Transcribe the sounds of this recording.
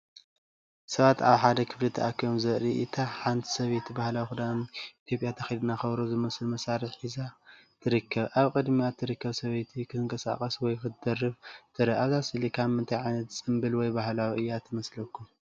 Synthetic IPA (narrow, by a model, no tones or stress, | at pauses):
sɐβat̪aβħad̪ɐkʰɨflɨt̪ʰɐʔakʰːiβmzɐɾiʔit̪ʰaħant̪ʰi̥sɐβet̪ʰibahlawixud̪amit̪ʰjo̞pʼjat̪ʰɐxid̪ɨnaxɐβɾozɨmɐslmɐsaɾɨħħiza | t̪ʰɨɾɨkʰːɐβʔaβkʼɨd̪miat̪ʰːɨɾɨkːɐβsɐβet̪ʰikʰɨzɨŋkʼɐsa̰kʼɐswɔjkɨd̪ɐrːɨβt̪ʰɨɾɨaβzasɨlikʰamːɨnt̪ʰajʕajnɐt̪t͡sʼɨmbɨlwɔjbahlawiʔɨjːat̪ʰɨmɐslɐkʰːum